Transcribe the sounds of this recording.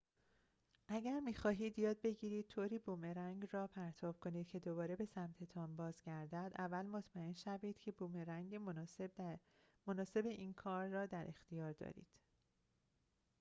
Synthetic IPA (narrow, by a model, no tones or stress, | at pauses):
ʔæɟæɾmiːxɒːɦiːd̪jɒːd̪̚be̞ɟiːɾiːd̪̥̚t̪ʰoːɾiːbuːmeɾæŋɟrɒːpʰæɾt̪ʰɒːb̥̚kʰo̞niːd̪̥̚cʰe̞d̪o̞bɒːɾe̞be̞sæmt̪ʰe̞t̪ʰɒːmbɒːzɟæɾd̪æd̪ʔævːælmo̞t̪ʰmæe̞nʃæviːd̪̥cʰe̞buːmeɾæŋɡemb | monɒːse̞be̞ʔiːnkʰɒːɾːɒːd̪æɾʔe̞xt̪ʰijɒːɾd̪ɒ̰ːɾḭːd̪̥